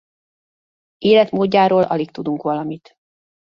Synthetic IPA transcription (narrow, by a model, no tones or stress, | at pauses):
eːlɛt̪moːɟːaːɾoːlʔɒ̰lik̚t̪ud̪uŋkʋɒlɒmit̪